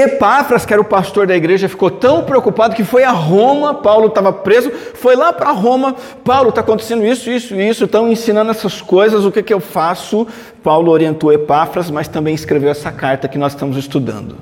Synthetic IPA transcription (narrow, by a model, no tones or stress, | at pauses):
epafɾɐskɪɛɾɐʊpast̪oɾd̪ɐiɡɾeʒɐfi̥kot̪ɐ̃w̃pɾeokupad̪ʊkɪfojɐɦõmɐpawlʊt̪avɐpɾezʊfojlapɾɐɦõmɐ | pawlʊt̪aɐkõnt̪e̥sẽnd̪ʊisʊisʊisʊɪt̪ɐ̃w̃ẽsinɐ̃nd̪ʊɛsɐskojzɐzʊkɪkɪewfasʊ | pawlʊoɾiẽnt̪owepafɾɐsmɐst̪ɐ̃mbẽj̃ɪskɾevewɛsɐkaɾt̪ɐkɪnɔz̥st̪ɐ̃mʊzɪst̪ud̪ɐ̰̃nd̪ʊ